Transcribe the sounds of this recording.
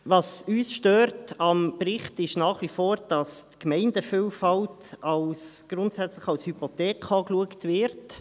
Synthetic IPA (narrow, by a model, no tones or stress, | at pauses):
ʋɑsyːsʃtøːɾtɑmpɾɪχtɪʃnɑːχʋifoːɾd̥ɑstkmɛɪndəfiːlfɑltɑlsɡ̥ɾʊntsɛt͡sləχɑlshypotɛːkʰɑːkluəktʋɪɾt